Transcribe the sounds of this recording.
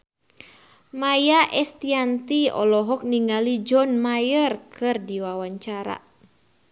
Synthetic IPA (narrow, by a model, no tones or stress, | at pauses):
majaʔɛst̪iant̪iɔ̰lɔɦɔk̚niŋalid͡ʒɔnmajərkʰɨrdiwawaɲt͡ʃaɾa̰